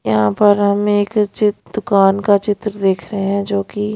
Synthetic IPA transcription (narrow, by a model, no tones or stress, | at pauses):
jɐɦãːpəɾɦɐmeːkt͡ʃɪd̪̥ʊkaːnkat͡ʃɪt̪ɾd̪eːkʰɾɐɦẽɦɛ̃d͡ʒoːki